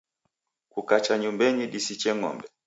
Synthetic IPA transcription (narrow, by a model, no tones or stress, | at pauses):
kukat͡ʃaɲumbɛɲiɗisit͡ʃɛŋɔ̰mbɛ